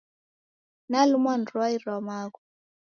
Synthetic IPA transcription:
nalumandɾuaiɾɔmaku

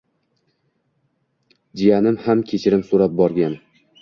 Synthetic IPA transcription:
d͡ʒijanɪmhamkʲʰet͡ʃʰɪɾɪmsoɾap̚bɒɾɡʲan

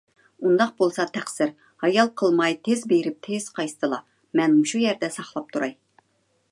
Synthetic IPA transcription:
und̪ɑq̚bolˠsɑt̪ʰæχsɪɾ | hɑjɑlˠqʰəlˠmɑjt̪ʰezbeɾɪp̚t̪ʰez̥qʰɑjst̪ʰɨlˠɑ | mɛnmuʃujɛɾd̪ɛsɑχlˠɑp̚t̪ʰuɾɑj

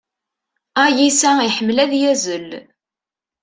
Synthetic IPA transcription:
æjisæiħəmːlæðjæzəl

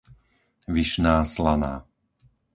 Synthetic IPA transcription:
ʋiʃnaːslana̰ː

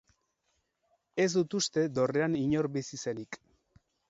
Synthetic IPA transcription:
e̞zd̪ut̪ust̪e̞d̪o̞re̞aniɲo̞ɾbisise̞nik

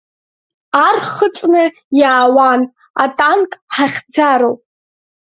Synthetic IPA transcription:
arχət͡sʼnɨ | jaːwan | a̰tʼankʼħaχʲd͡zaɾowʼ

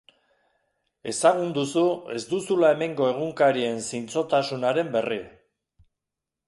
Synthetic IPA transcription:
e̞saɣ̞und̪usue̞zd̪usulae̞me̞ŋɡo̞e̞ɣ̞uŋkaɾie̞nsint͡so̞t̪asunaɾe̞mbe̞ri

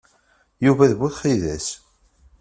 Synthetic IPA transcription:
juvæðbuθχiðæs

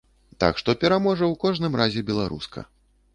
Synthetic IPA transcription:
t̪a̰kʂt̪ɔpʲɛɾamɔʐɐwkɔʐnɨmrazʲɛbʲɛlˠa̰ɾṵskɐ̰

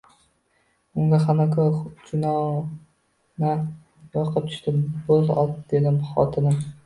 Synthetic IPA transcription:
ʊŋɡʲaχanakʰoɾχʊt͡ʃʰɪnɒ | na | jɒqʰɑt̪ʰʊ̥ʃt̪ɪbozɒ̰lˠd̪e̞d̪ɪmχɒ̰t̪ʰɪnɪm

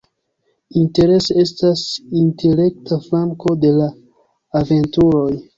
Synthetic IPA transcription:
inte̞ɾe̞soe̞stasintele̞k̚tʰaflaŋko̞de̞laː | ve̞ntuɾo̞j

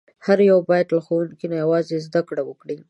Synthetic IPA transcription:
haɾjawbɑjad̪laxowunkinajawɑzezd̪akɽawəkɽi

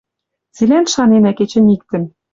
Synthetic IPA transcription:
t͡silænʃɑnenæket͡ɕɘ̆nik̚t̪ɘ̆n

